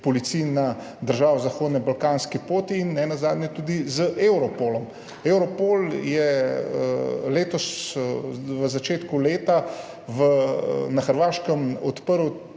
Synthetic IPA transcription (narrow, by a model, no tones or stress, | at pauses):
pɔlit̪sijna | d̪əɾʒaːʋɔzaxoːd̪nɛbalkanskipoːt̪iːnːɛnazaːd̪nɲɛt̪uːd̪izəʔewɾɔpolɔm | ewɾɔpoːljɛəleːt̪ɔs | ʋəzat͡ʃeːt̪kuleːt̪a | ʋənaxəɾʋaːʃkəmɔt̪pəɾw